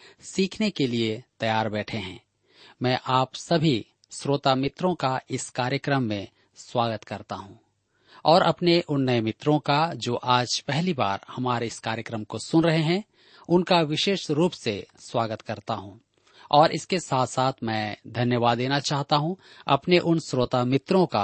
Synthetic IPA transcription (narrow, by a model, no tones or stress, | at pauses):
siːkʰnekeliet̪ɐjaːɾbɛːʈʰeɦɛ̰̃ː | mɛ̃ːʔaːpsɐbʱi | sɾoːt̪amɪt̪ɾõkaɪskaːɾjəkɾəmːẽ | swaːɡət̪kɐɾt̪aɦũː | ɔːɾʔɐpneʔʊnːəjmɪt̪ɾõkad͡ʒoːʔaːd͡ʒpɛɦliba̰ːɾhɐmaːɾeɪskaːɾjəkɾəmkosʊnɾɐɦeɦɛ̃ | ʊnkaʋɪʃeːʃɾuːpseswaːɡət̪kɐɾt̪aɦũː | ɔːɾɪskesaːt̪ʰsaːt̪ʰmɛ̃ːd̪ʱɐnjəʋaːd̪ːeːnat͡ʃaːɦt̪aɦũɐpneʔʊnsɾoːt̪amɪt̪ɾõka